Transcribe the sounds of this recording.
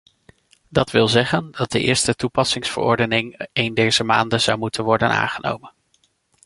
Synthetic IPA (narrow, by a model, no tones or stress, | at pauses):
dɑtʋɪlˠzɛχəndɑt̚dəʔɪ̰ːɹstətupɑsɪŋsfə̰ɹɔ̰ɹdənɪŋejndejz̥əma̰ːndəz̥ʌwmutənʋɔɹdəna̰ːŋχəno̰wmən